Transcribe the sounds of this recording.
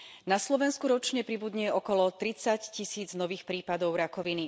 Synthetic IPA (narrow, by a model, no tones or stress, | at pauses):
naslɔʋɛnskuɾɔt͡ʃɲɛpɾibud̪ɲɛʔɔkɔlɔt̪ɾit͡saccisiːd͡znɔʋiːxpɾiːpad̪ɔʊɾakɔʋini